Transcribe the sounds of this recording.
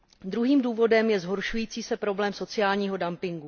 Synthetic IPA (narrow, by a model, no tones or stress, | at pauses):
d̪ɾuɦiːmduːvo̞dɛmjɛzɦo̞ɾʃujiːt͡siːsɛpɾo̞blɛːmso̞t͡sɪjaːlɲiːɦo̞dampɪŋɡu